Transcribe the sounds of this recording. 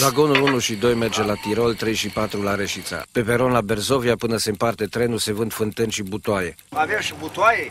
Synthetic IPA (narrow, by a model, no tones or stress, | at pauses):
zaɡo̞nulunuʃid̪o̞jme̞rd͡ʒe̞lat̪iɾo̞lt̪ɾe̞jʃipat̪ɾulaɾeʃit̪sa̰pe̞peɾo̞nlabe̞rzo̞viapɨnəsempart̪et̪ɾe̞nuse̞vɨnt̪fɨnt̪ɨnʃibut̪oaje | aveamʃibut̪waje